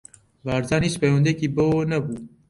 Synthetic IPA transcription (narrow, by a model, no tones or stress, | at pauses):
vaːɾzaːniːspeːwɐnd̪ekiːbəonɐbuː